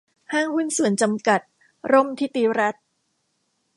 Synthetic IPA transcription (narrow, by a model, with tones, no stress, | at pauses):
haː˥˩ŋhu˥˩nsu˨˩˦ənt͡ɕa˧mka˨˩t̪̚ | ɾo˥˩mt̪ʰiː˥˩t̪iː˧˦˥ɾa˦˥t̪̚